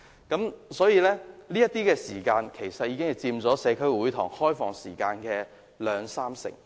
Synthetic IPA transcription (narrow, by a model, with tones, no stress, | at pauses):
kɐ˨˥msɔː˨˥jiː˧lɛː˥liː˥jɐ˥t̪iː˥kɛː˧siː˨˩kaː˧nkʰe˨˩jsɐ˨t̚jiː˨˧kɪ˥ŋhɐ˨jt͡siː˧mt͡sɔː˨˥sɛː˨˧kʰɵ˥wuː˨˥jt̪ʰʊː˨˩ŋhɔː˥jfɔː˨˩ŋsḭː˨˩kaː˧nkɛː˧ | lœː˨˧ŋsaː˥msɪ̰˨˩ŋ